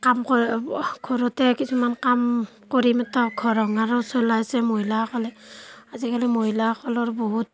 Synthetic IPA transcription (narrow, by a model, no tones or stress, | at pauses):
kamkɔɡʰʱɔɹɔtɛkisumankam | koɹimɛtʰaɡʱɔɹɔŋaɹɔsɔlajsɛmoɦilaakʰɔlɛazikalɛmoɦilakʰɔlɔɹbɔɦut̚